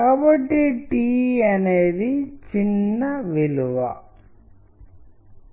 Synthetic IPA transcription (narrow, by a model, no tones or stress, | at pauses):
kɐbɐʈːiʈiɐneðit͡ʃinːɐʋiluʋɐ̰